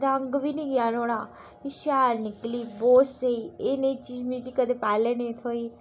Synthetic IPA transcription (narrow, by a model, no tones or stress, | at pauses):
ɾaŋɡʋiniɡjanoɽ̃ã | iʃaɾnikliboseieneit͡ʃiːd͡ʒmĩk̪ikəd̪epaːlenẽt̪ʰoi